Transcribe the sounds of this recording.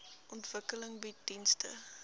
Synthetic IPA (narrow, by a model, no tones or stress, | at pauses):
ʔɔntvəkələŋbid̥instə̰